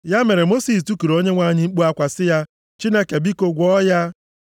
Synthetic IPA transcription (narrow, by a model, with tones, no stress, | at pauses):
ja˦me˨ɾe˨mo˦si˨stu˦ku˨ɾo˦ɲe˦ŋʷa˦˨ɲɪ˦ŋ͡m̩˦k͡pu˦a˦kʷa˨sɪ˦ja˦ | t͡ʃi˦ne˦ke˨bi˦ko˦ɡʷɔ˦ja˦